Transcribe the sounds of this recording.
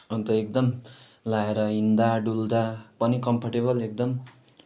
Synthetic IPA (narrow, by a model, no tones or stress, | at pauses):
ʌnt̪ʌek̚d̪ʌm | laeɾʌɦind̪aɖuld̪apʌnikʌmpʰaʈeβʌlek̚d̪ʌm